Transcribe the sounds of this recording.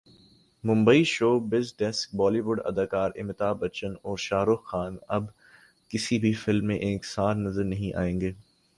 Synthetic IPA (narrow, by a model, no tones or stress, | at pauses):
mʊ̃mbəiʃoːbɪzɖɛsk̚bɔːliːʋʊɖɐ̰d̪aːkaːɾɪ̰mɪt̪aːbɐt͡ʃənɔːɾʃaːɾʊxaːnɐb | kɪsibʱifɪlmːẽʔeːksaːɾnɐzəɾnɐɦĩʔa̰ːẽːŋɡeː